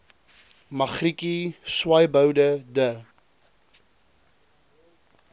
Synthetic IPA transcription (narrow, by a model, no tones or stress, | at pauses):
mɐχrikiswɐjbəwdədə